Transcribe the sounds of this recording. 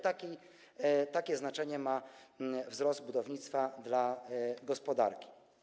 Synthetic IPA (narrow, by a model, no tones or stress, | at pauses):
t̪akʲi | t̪akʲɛznat͡ʂɛɲɛma | vzɾɔzd̪̚bud̪ɔvɲit̪st̪fad̪laɡɔspɔd̪a̰ɾkʲi̥